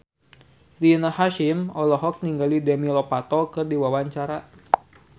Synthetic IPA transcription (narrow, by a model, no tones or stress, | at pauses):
dinahaʃimɔlɔɦɔk̚niŋɡalidɛmilɔpat̪ɔkɨrdiwawaɲt͡ʃaɾa